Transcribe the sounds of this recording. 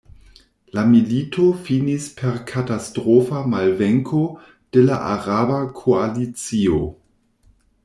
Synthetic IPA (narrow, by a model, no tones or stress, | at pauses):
lamilitʰofinispʰeɾkʰatastɾofamalveŋkʰo | d̥elaʔaʁabakʰoalit͡sio